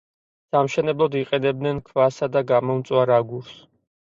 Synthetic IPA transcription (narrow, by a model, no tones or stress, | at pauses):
samʃɛnɛblˠɔd̪iqʼɛnɛb̚dnɛnkʰvasad̪aɡamɔmt̪sʼwaɾaɡuɾs